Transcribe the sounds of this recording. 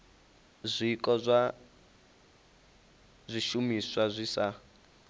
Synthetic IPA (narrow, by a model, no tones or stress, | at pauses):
zʷikʼɔzʷa | zʷiʃumiswazʷisa